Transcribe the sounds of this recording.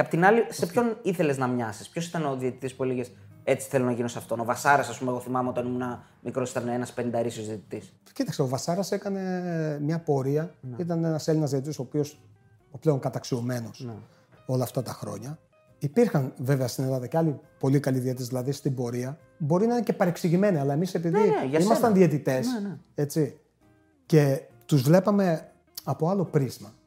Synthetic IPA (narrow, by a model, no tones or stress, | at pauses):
epot̪inɐlise̞pço̞niθe̞le̞znɐmɲɐsi̥spço̞si̥t̪ɐnoðiet̪it̪ispueliʝes | e̞t͡si̥θelonɐʝinosɐft̪o̞no̞vɐsɐɾɐsɐspumeɣo̞θimɐmeo̞t̪ɐnimunɐ | mikɾosi̥t̪ɐnenɐspenind̪ɐɾisjozðiet̪i̥t̪is | cit̪ɐkseo̞vɐsɐɾɐse̞kɐne̞mɲɐpo̞ɾiɐit̪̬ɐne̞nɐselinɐzðiet̪t̪iso̞ːpio̞s | ople̞oŋkɐt̪ɐksio̞me̞no̞s | o̞lɐːft̪ɐt̪ɐxɾo̞̰ɲɐ | ipiɾxɐnve̞veɐst̪ine̞lɐðɐceɐlipo̞likɐliðiet̪ezðilɐðist̪imbo̞ɾiɐ | bo̞ɾinɐinece̞pɐɾe̞ksiʝime̞niɐlɐe̞mise̞piðiimɐst̪ɐnðiet̪it̪e̞se̞t͡si | ce̞ | t̪uzvle̞pɐme̞ | ɐpo̞ɐlo̞pɾizmɐ